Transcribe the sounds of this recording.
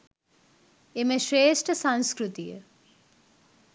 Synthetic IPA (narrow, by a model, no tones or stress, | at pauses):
emeʃɾeːʃʈʰəsanskɾut̪ijə̰